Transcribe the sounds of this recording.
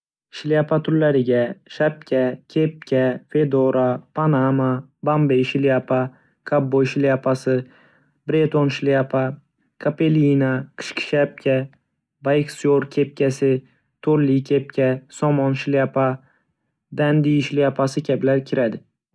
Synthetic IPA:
ʃɪliapʰat̪ʰʊɾlːaɾɪɡʲaʃap̚kʲʰakʲʰep̚kʲʰafe̞d̪oɾapʰanamabambejʃɪliapʰa | kʰabːojʃɪliapʰasɪ | bɾet̪ʰonʃɪliapʰa | kʰapʰe̞linaqʰɨ̥ʃkʲɪ̥ʃap̚kʲʰa | bajksoɾkʲʰe̞p̚kʲʰasɪ | t̪ʰoɾlikʲʰe̞p̚kʲʰasɒmɒnʃɪliapʰa | d̪and̪ijʃliapʰasɪkʲʰablaɾkʲʰɪɾad̪ɪ

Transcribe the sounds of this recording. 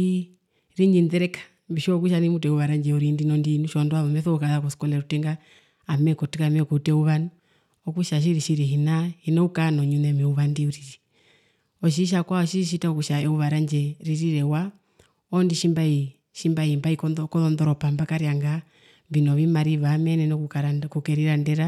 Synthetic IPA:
i | ɾind͡ʒindɛɾɛkḁ | mbiʃɔk̬uʃ̬animutɛuβaɾaɲd͡ʒɛuɾindinɔndinuʃɔndwaðɔmɛθɔukaðakɔsi̥kɔlɛɾutɛŋɡa | amɛkɔtikamɛkuutɛuβani | ɔkuʃaʃ̬iɾiʃiɾiɦinahinaukanɔɲunɛmiuβandiuɾiɾi | ɔʃ̬iʃ̬akwaɔʃiɾiʃ̬itaɔkuʃaɛuβaɾand͡ʒɛɾiɾiɾɛwa | ɔndiʃimbai | ʃimbaimbaikɔɔkɔðɔndɔɾɔpambakaɾiaŋɡa | mbinɔβimaɾiβamɛnɛnɔkukɛɾiɾandɛɾa

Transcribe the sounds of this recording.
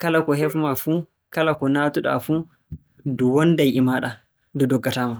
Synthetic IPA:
kalakɔhɛfmafu | kalakɔnatuɗa̰fu | duwɔndajʔimaɗa | dɔdɔɡːataːma

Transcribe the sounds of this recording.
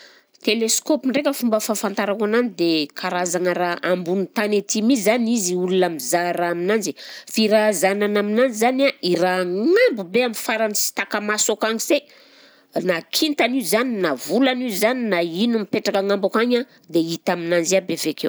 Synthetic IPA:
t̪eleskopiɳɖ͡ʐekʲəfumbəfafant̪aɾakananid̪ekʰaɾazaŋaɾaʔambunit̪anet̪imizzaniziulunamizaɾaːminand͡zi̥fiɾazananaminand͡zizanairaŋŋambubeamifaɾanisi̥t̪akamasokaŋiz̥e | nakʰint̪anizaninavulanizaninainumipeʈ͡ʂakaŋambakaɲa | d̪eit̪aminand͡ʒiabevekew

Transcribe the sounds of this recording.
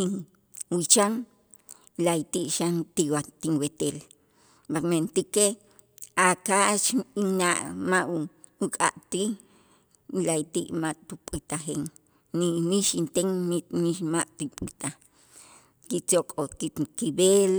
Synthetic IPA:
i | wit͡ʃaŋ | lait̪iʔʃant̪iwat̪iŋwet̪el | mament̪ike | akat͡ʃinaʔmaʔ | ukʼa̰ʔt̪i | lait̪iʔmaʔt̪upʼit̪axeŋ | niniʃint̪eŋniniʃmaʔʼt̪ipʼit̪a | kit͡sokʼokikibel

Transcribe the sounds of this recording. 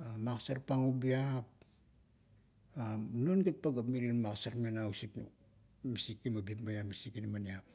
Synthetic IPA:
amaksaɾpaŋubiap̚ | anonɡet̚paɡap̬miɾinmaksaɾmenausiknṵ | misikːimabipmbajamisikinmaniap̚

